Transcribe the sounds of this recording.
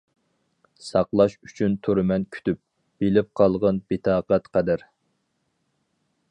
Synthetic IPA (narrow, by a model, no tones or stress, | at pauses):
sɑqlˠɑʃy̥t͡ʃʰynt̪ʰuɾɨmɛnkʲʰy̥t̪yp̚ | b̥elɪp̚qʰɑlˠʁɑnbɪt̪ʰɑːqɛt̪qʰɛd̪æɾ